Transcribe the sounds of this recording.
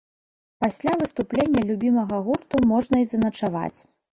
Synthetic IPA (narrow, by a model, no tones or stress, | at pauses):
pasʲlʲavɨst̪uplʲenʲːɐlʲubʲimɐɣɐɣurt̪umɔʐnɐizɐnɐt͡ʂava̰t͡sʲ